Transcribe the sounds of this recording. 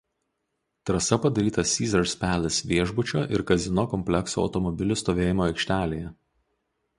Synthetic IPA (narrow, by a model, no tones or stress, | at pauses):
t̪ɾɐsɐpɐd̪ɐɾʲiːt̪ɐsʲiːzʲɐɾsʲpʲæːlʲɪsʋʲiɛʒbʊt͡ʃʲoːʔɪɾkɐzʲɪnoːkɔmʲpʲlʲɛksoːɐ̰t̪ɔmɔbʲɪlʲʊst̪oːʋʲeːjɪmoːɐɪkʲʃʲt̪ʲæːlʲeːjɛ